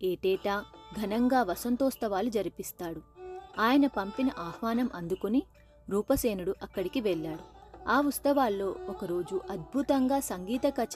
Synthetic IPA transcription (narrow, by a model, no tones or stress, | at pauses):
eːʈɛːʈaːɡʱɐnɐŋɡaːʋɐsɐnt̪oːst̪ɐʋaːlud͡ʒɐɾipist̪aːɽuaːjɐnɐpɐmpinɐʔaːhʋaːnɐmʔɐnd̪ukuni | ɾuːpɐseːnuɽuʔɐkːɐɽikiʋɛɭːaːɽuaːust̪ɐʋaːlːo̞ːɔkɐɾo̞ːd͡ʒuʔɐd̪̚bʱut̪ɐŋɡaːsɐŋɡiːt̪ɐkɐt͡ʃ